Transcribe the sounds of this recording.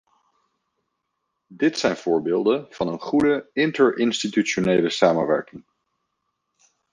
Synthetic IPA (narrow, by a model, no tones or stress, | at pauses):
dɪtsɛjnv̥ʊːɹbeːlˠdənv̥ɑnənχudəɪntəɹʔɪnstityt͡ʃonejləsaːmənʋɛ̰ɹkɪŋ